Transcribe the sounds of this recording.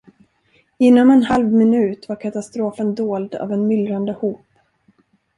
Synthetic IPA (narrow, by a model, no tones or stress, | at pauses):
ɪnːɔmɛnhalvmɪnʉ̟ːt̪vaɾkʰat̪ast̪ɾoːfənd̪oːld̪a̰vɛnmʏlɾand̪əhuːp